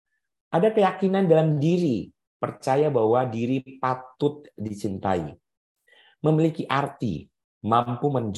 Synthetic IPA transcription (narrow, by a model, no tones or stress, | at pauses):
ʔadakəjakinandalamdiɾi | pərt͡ʃajabahwadiɾipat̪ʊt̪̚dit͡ʃint̪a̰ḭ | məmilikiʔart̪ḭ | mampuməɲd͡ʒ